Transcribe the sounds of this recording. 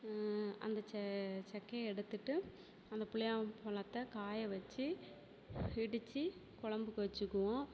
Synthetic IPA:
ɐ̰nd̪ɐt͡ʃɛt͡ʃɐkːɐɛɽɯt̪ːɯʈːɯ | ɐnd̪ɐpʊɭɪjaːpɐlɐt̪ːɐkaːjɐʋɐt͡ʃːi | ɪɽɯt͡ʃːikʊɭɐmbɯkːɯʋɐt͡ʃːɯkːɯʋõ

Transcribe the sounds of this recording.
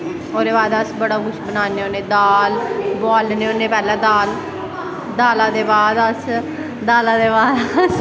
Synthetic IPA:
oːɾeːbaːd̪əsbəɽaːkʊt͡ʃʰbənaːneːoːneːd̪aːlbɔːlneːoːnẽːpɛːlãːd̪aːl | d̪aːlãːd̪eːbaːd̪əs | d̪aːlãːd̪eːbaːd̪s

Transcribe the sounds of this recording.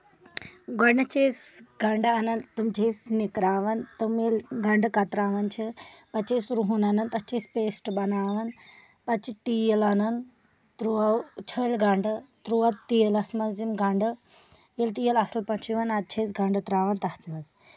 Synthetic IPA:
ɡɔɖnɐt͡ʃeːsɡɐɳɖɨɐnɐnt̪ɨmd͡ʒʰeːsnikɾaːʋɐnt̪ɨmelɡɐɳɖɨkɐt̪ɾaːʋɐnt͡ʃʰipɐt͡ʃeːsɾuɦunɐnɐnt̪ɐt͡ʃeːspeːsʈbɐnaːʋɐn | pɐt͡ʃʰit̪ijɐlɐnɐn | t̪ɾuɐwt͡ʃʰəːlʲɡɐɳɖɨt̪ɾuʋɐt̪t̪ːijɐlɐsmɐzimɡɐɳɖɨ | jelt̪ijɐlɐslpɐt͡ʃʰiʋɐnɐd̪̚t͡ʃʰeːsɡʱɐɳɖɨt̪ɾaːʋɐnt̪ɐht̪ʰmɐz

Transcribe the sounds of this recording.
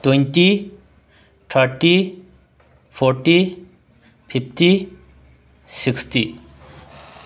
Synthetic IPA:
t̪wenti | t̪ʰaɾʈi | pʰoɾʈi | pʰipʰti | siksʈi

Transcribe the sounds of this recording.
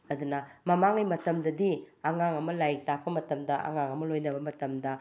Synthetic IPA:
ɐd̪unɐmɐmaŋimɐtɐmdɐdiɐŋaŋɐmɐlajk̚tapʰɐmɐtɐmdɐɐ̰ŋaŋɐmɐlojnɐbɐmɐtɐmdɐ

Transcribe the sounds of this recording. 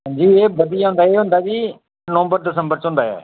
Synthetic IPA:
ɲd͡ʒiːeːbəd̪ɪjaːɦʊ̃ːnd̪aːeːɦʊ̃ːnd̪aːd͡ʒiː | noːmbəɾd̪ɪs̬əmbəɾt͡ʃõʊ̃ːnd̪aːɛ̰ː

